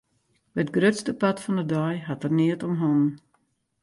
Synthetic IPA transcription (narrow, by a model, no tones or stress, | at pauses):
bɛətɡrøtstəpatfɔndədɔjɦatərniətɔmɦɔn